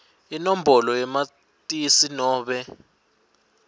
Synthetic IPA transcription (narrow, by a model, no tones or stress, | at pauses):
inom̩bɔlɔjɛma | tʼisinɔːɓɛ